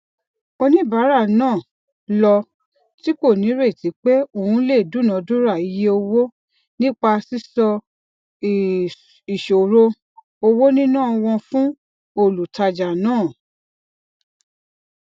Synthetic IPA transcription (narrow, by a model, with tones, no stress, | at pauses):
o˧nĩ˦ba˨˦ɾa˦˨nãː˦˨ | lɔ˧ | ti˦ko˦˨nĩ˨˦ɾe˦˨ti˨˦k͡pɛ˦o˦˨ũ˧˦le˦˨du˦˨nã˨˦du˦ɾa˦˨i˨˧˦je˦o˧wo˦ | nĩ˦k͡pa˧si˦sɔ˧ | i˨ʃo˨ɾo˧ | o˧wo˦nĩ˦nã˦˨ɔ˧w̃ɔ̃˧fũ˦ | o˦˨lu˨ta˧d͡ʒa˨nãː˦˨